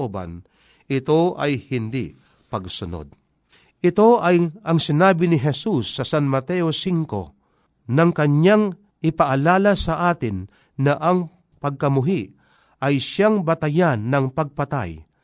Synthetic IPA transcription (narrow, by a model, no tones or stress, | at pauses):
oːbɐ̰n | ʔɪt̪o̞ʔɐjhɪnd̪ḭ | pɐɡsʊno̰d̪̚ | ʔɪt̪o̞ʔɐjʔɐŋsɪnaːbɪnɪɦɛsusːɐsanmɐt̪ɛosiŋko̞̰ | nɐŋkɐɲaŋ | ʔɪpɐʔalaːlɐsɐʔaːt̪ɪnː | ɐʔɐŋ | pɐɡ̚kɐmʊɦiʔ | ʔɐjʃaŋbɐt̪ɐjanːɐŋpɐɡ̚pɐt̪a̰j